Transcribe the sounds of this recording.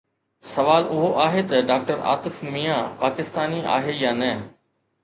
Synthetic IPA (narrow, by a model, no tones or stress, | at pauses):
sɐʋaːlʊɦoʔaːɦet̪ɐɖaːk̚ʈəɾa̰ːt̪ɪfmiːjãpaːkɪst̪aːnia̰ːɦejaːnɛː